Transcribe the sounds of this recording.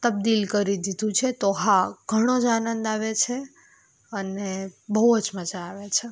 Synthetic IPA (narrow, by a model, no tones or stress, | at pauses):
t̪əb̚d̪ilkəɾid̪id̪ʱũt͡ʃʰet̪oɦãɡ̥ʱəɽ̃od͡ʒanənd̪aʋet͡ʃʰe | ənebəɦuəd͡ʒməd͡ʒaːʋet͡ʃʰe